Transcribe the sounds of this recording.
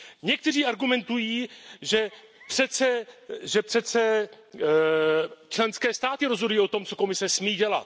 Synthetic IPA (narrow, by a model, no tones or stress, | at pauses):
ɲɛk̚t̪ɛr̝iːʔaɾɡumɛnt̪ujiːʒɛ | pr̥ɛt͡sɛʒɛpr̝̥ɛt͡sɛ | t͡ʃlɛnskɛːst̪aːt̪ɪɾo̞zɦodujiːo̞t̪o̞mt͡so̞ko̞mɪsɛsmiːɟɛla̰t̪